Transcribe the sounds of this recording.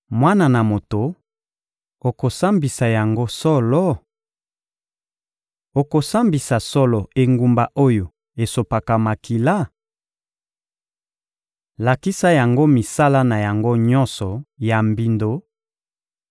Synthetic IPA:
mwa˦na˨na˨mo˨to˨ | o˨ko˨sa˦mbi˨sa˨ja˨ŋɡo˦sɔ˦lɔ˦ | o˨ko˨sa˦mbi˨sa˨sɔ˦lɔ˨e˨ŋɡu˨mba˨ʔo˦jo˨ | e˨so˨pa˨ka˨ma˨ki˨la˦ | la˨ki˦sa˦ja˨ŋɡo˦mi˨sa˦la˦na˨ja˨ŋɡo˦ɲɔ̃˦nsɔ˨ja˨mbi˨ndo˨

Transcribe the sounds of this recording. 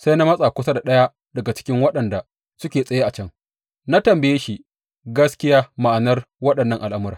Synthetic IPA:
sa˦jna˦mɐ˦sʼa˨kʷʊ˦sa˦da˨ɗɐ˦ja˦ | dɐ˨ɡa˨t͡ʃɪ̥˦kʲɪ˦ŋwɐ˦ɗɐ˨nda˨ | sʊ˦kʲeː˨sʼɐ˨˦ja˦ʔa˨t͡ʃɐ˦ŋ | na˦tɐ˨mbɐ˨jeː˦ʃi˦ | ɡɐ˦skʲɪ˦jaː˦ma˨ʔa˨nɐ˦r | wɐ˦ɗɐ˨nːɐ˦˨ŋʔa˨lʔa˦mʊ˦ɾaː˨

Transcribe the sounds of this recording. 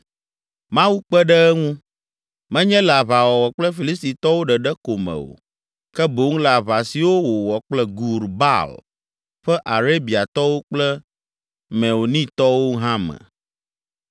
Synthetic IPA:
mã˦wu˦k͡pɛ˦ɖɛ˦ɛ˦ŋũ˦ | mɛ̃˦ɲɛ̃˦la˨βa˨wɔ˨wɔ˨k͡plɛ˦fi˨li˦st̪i˨t̪ɔ˦wo˦ɖɛ˨ɖɛ˦ko˨mɛ̰̃˨wo̰˨ | kɛ˦bo˨˦ŋ˦la˨βa˨si˨wo˦wo˨wɔ˨k͡plɛ˦ɡu˨ɾba̰˦l | ɸɛ˦ʔa˨ɾe˦bi˨a˨t̪ɔ˦wo˦k͡plɛ˦ | mɛ̃˨wo˨nĩ˦t̪ɔ˦wo˦ɦã˦mɛ̰̃˨

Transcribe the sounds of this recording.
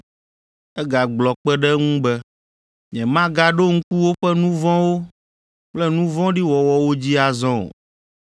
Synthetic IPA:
ɛ˦ɡa˨ɡ͡blɔ˨k͡pɛ˦ɖɛ˦ŋũ˦bɛ˦ | ɲɛ̃˨mã˦ɡa˦ɖo˦ŋ̩̃˦ku˦wo˦ɸɛ˦nũ˦vɔ̃˦wo˦ | k͡plɛ˦nũ˦vɔ̃˦ɖi˦wɔ˨wɔ˨wo˦d͡ʑi˦a˨zɔ̰̃˦˨

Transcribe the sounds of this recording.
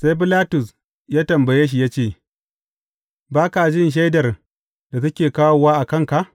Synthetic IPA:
sa˦jb̬ɪ˦laː˦tʊ˨s | jaː˦tɐ˨mbɐ˨jeː˦ʃ̬i˦˨jaː˦t͡ʃeː˦˨ | baː˦ka˨d͡ʒɪ˦nʃ̬a˦jdɐ˨r | da˨tɐ˦kʲeː˨kaː˦wo˨waː˦ʔa˨kɐ˦˨ŋka˨ʔ

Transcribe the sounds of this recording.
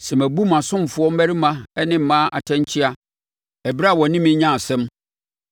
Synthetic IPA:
sɛ˨mæ˨bu˦mã˨sʊ̃˦m˨fʊ˨˦ɔ˦m̩˦æ˦ɾi˦mã˦ɛ˦nɪ̃˦m̩˨mã˦ʔa̰˨tʰɛ̃˦ɲ˦t͡ɕʰɪ˦a˦ | ɛ˨bi˦ɾa˦˨wɔ˨nɪ̃˦mɪ̃˦ɲã˦˨sɛ̃˦m

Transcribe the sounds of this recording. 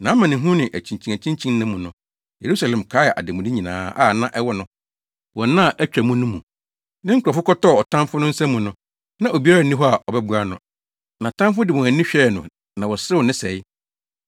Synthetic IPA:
nã˨˦mã˨nɪ̃˨ɦũ˦nɪ̃˨ʔæ˨t͡ɕʰĩ˨ɲ˨t͡ɕʰĩ˨ŋæ˨t͡ɕʰĩ˦ɲt͡ɕʰĩ˦n˦nɪ̃˦mũ˨nʊ̃˨ | je˨ɾu˦sa˨lɛ̃˨mkʰaː˨˦ɛ˨ʔa̰˨dɪ˨mʊ̃˨di˦ɲĩ˨nã̰ː˨˦a̰˦˨nã˦ʔɛ˦wɔ˦nʊ̃˦ | wɔ̃˨˦nã˦˨ʔæ˦t͡ɕᶣæ˨mũ˦nʊ̃˦mũ˨ | nɪ̃˦ŋ̩˦kʰʷʊ˨ɔ˨fʊ˦kɔ˦tɔ˦˨ɔ˨tʰã˦mfʊ˦nʊ̃˦n̩˦sɛ̃˦mũ˨nʊ̃˨ | nã˦ʔo˨bi˦a˦ɾa˨nĩ˦ɦɔ˦a˨ʔɔ˨bɛ˦bu˨ɾa˦nʊ̃˦ | nã˨tʰã˦mfʊ˦dɪ˨mʊ̃˨æ˨nĩ˦ɕᶣɛ˦˨nʊ̃˨ | nã˨wɔ˨sɾɪ˦wɔ˨nɪ̃˦sɛ˨ɪ˦

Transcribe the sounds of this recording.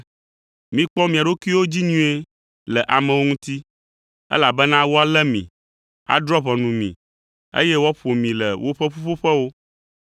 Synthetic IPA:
mĩ˨k͡pɔ˦mĩ˨a˨ɖo˦ki˦wo˦d͡ʑi˦ɲũ˦e˦ | lɛ˨ʔa˨mɛ̃˨wo˦ŋũ˦t̪i˦ | ɛ̰˦la˨bɛ˦nã˦wo˦a˨lɛ˦mḭ̃˨ | a̰˨d̪ɾɔ˦βɔ̃˨nũ˨mḭ̃˨ | ḛ˦jɛ˦wɔ˦ɸo˨mĩ˨lɛ˨wo˦ɸɛ˦ɸu˦ɸo˦ɸɛ˦wo˦

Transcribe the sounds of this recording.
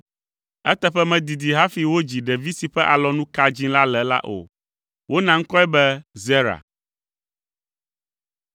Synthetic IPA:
ɛ˦t̪ɛ˨ɸɛ˦mɛ̃˨d̪i˨d̪i˨ɦa˦fi˨wo˦d͡ʑi˨ɖɛ˨vi˦si˨ɸɛ˦ʔa˨lɔ˨nũ˦ka˦d͡ʑĩ˦la˦lɛ˨la̰˦ʔo̰˨ | wʔo˦nã˨ŋ̩˦kɔ˦ɛ˦bɛ˦zɛ˦ɾa̰˨

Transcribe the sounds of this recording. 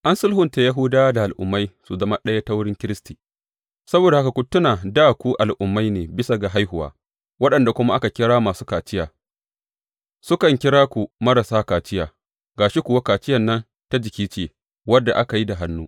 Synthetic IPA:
ʔa˦nsʊ˦lhʊ˨nta˨ja˦ɦuː˦daː˦da˨ʔa˨lʔʊ̰˨mːa˦jsu˨zɐ˦ma˦ɗɐ˦ja˦ta˦wʊ˦ɽɪ˦ŋkʲɪ˦ɾɪ˦stiː˨ | sɐ˦boː˨da˨a˦ka˨kʷu˨tʊ˦naː˨daː˦˨kʷu˦ʔa˨lʔʊ˨mːa˦jneː˨bɪ˦sa˨ɡa˨ɦa˦jhʊ˨wa̰ː˦ | wɐ˦ɗɐ˨nda˨kʷʊ˦ma˦ʔa˦ka˨kʲɪ˦ɽaː˦maː˨suː˦kaː˨t͡ʃɪ˦jaː˨ | sʊ˦kɐ˨ŋkʲɪ˦ɾaː˦kʷu˨mɐ˦ɾa˨saː˦kaː˨t͡ʃɪ˦jaː˨ | ɡaː˨ʃi˦kʷʊ˨wa˦kaː˨t͡ʃɪ˦jɐ˨nːɐ˦n | ta˦d͡ʒɪ˨kʲiː˦t͡ʃeː˨ | wɐ˦dːa˨ʔa˦ka˨ji˦da˨ɦa˦nːuː˦

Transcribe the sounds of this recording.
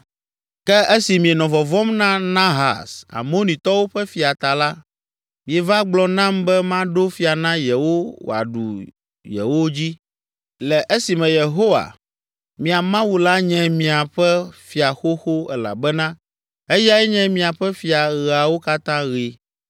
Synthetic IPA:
kɛ˦ʔe˦si˨mĩ˨ɛ˨nɔ̃˨vɔ˨vɔ˦mnã˦nã˦ɦa̰˨sa̰˨mo˦nĩ˨t̪ɔ˦wo˦ɸɛ˦fi˨a˨t̪a˨la˦ | mĩ˨ɛ˨va˦ɡ͡blɔ˨nã˦mbɛ˦mã˦ɖo˦fi˨˦a˨nã˦jɛ˨wo˦wo̰˨a̰˨ɖṵ˨ | jɛ̰˨wo˦d͡ʑi˦ | lɛ˨ʔe˦si˨mɛ̃˨je˨ɦo˦wa̰˨ | mĩ˨a˨mã˦wu˨la˦ɲɛ̃˨mĩ˨a˨ɸɛ˦fi˨a˨xo˦xo˦ɛ̰˦la̰˨bɛ˦nã˦ | e˦ja˦ɛ˦ɲɛ̃˦mĩ˨a˨ɸɛ˦fi˨a˨ɣɛ˨a˨wo˦ka˦t̪ã˦ɣi˨

